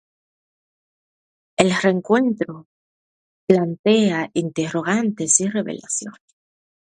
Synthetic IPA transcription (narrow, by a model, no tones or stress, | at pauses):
e̞lre̞ŋkwe̞nt̪ɾo | plant̪e̞aʔint̪ero̞ɣ̞ant̪e̞sire̞βḛlʔa̰θjo̰n